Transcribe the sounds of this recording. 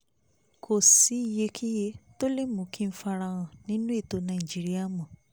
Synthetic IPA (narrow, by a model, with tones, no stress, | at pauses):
kʰo˨si˨˦i˦˨je˨˧kʰi˦je˦to˦le˦mũ˨˦kĩ˦n̩˦fa˧ɾa˧ɣ̃ã˧nĩ˦nũ˦e˦˨to˨˦nã˨i˨d͡ʒi˦ɾi˦a˦˨mɔ̃˨